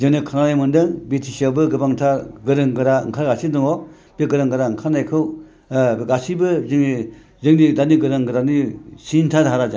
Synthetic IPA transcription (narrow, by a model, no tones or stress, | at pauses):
zɯŋnɯkʰananajmɯndɯŋbitʰisawbɯɡɯbaŋtʰaɡɯɾɯŋɡɯɾa̰ŋkʰaɡasidɯŋɔ | b̥iɡɯɾɯŋɡɯɾaŋkʰanajkʰɯw | ɡasibɯzɯŋni | zɯŋnidaniɡɯɾɯŋɡɯɾanisintʰadɦaɾad͡ʒa